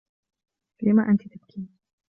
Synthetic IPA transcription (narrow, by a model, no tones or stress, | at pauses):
lɪmaʔant̪it̪abkʰiːn